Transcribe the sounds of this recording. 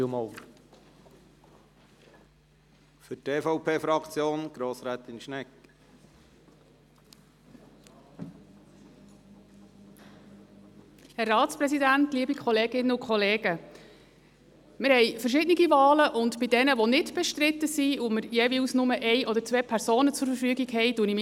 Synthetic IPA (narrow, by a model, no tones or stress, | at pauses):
mɔ | fʏtʰeːfɔʊpʰeːfɾɑkt͡sjoːnɡ̥ɾoːsɾæːt̪ɪnʃnɛk | hɛrːɑːtt͡spɾɛsidæntliəbikʰɔleːɡɪnːəʊkʰχɔleːɡ̥ə | mɪɾhɛɪfərʃ̬ɪdniɡivɑːləʔʊntbidɛnəʋonɪtb̥ɛʃtɾɪt̪ːəsiʊməɾjɛviusnʊməʔɛɪʔɔdəɾt͡sʋɛːpʰɛɾsoːnət͡sʊɾfəɾfyːɡiɡhɛjduənim